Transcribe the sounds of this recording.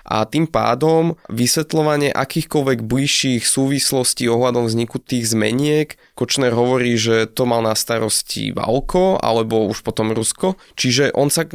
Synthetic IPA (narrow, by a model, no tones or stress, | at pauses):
ʔa̰t̪impa̰ːd̪ɔmʋisʋɛt̪lɔʋaɲɪɛʔakiːxkɔlʋɛɡbliʃːixsuːʋislɔsciːɔɦlad̪ɔmvzɲikut̪iːɣzmɛ̰ɲɪɛk | kɔt͡ʃnɛɾɦɔʋɔɾiːʒɛt̪ɔmalnast̪aɾɔscḭʋa̰lkʰɔa̰lɛbɔuʃpɔt̪ɔmɾuskɔ | t͡ʃiʒɛʔɔnsa